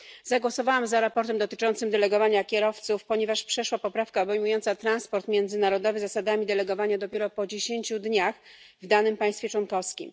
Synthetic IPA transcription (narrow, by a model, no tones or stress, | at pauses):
zaɡwɔsɔvawamzaɾapɔɾt̪ɛmd̪ɔt̪ɘ̥t͡ʂɔnt̪sɘmd̪ɛlɛɡɔvaɲakʲɛɾɔft̪sufpɔɲɛvaʂpʂɛʂwapɔpɾafkaɔbɛjmujɔnt̪sat̪ɾanspɔɾt̪mʲjɛnd̪zɘnaɾɔd̪ɔvɘzasad̪amʲid̪ɛlɛɡɔvaɲad̪ɔpʲjeɾɔpɔd͡ʑeɕeɲt͡ɕud̪ɲax | vd̪anɘmpaj̃st̪fʲjɛt͡ʂwɔnkɔfskʲḭm